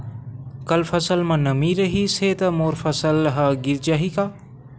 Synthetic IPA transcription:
kɐlfɐsəlmãːnɐmiɾɐɦiseːt̪ɐmoːɾfɐsəlɦɐɡɪɾd͡ʒaːɦikaː

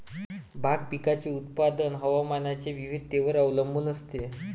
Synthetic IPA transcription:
bʱaɡ̚pikat͡ɕeut̪̚pad̪ənɦəʋamanat͡ɕeʋiʋid̪̚ʱt̪eʋəɾəʋləmbʱuːnəst̪e

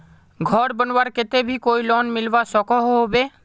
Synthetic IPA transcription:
ɡʱɔɾbənwaɾket̪ebʱikojlɔnmilbasɔkɔɦoɦobe

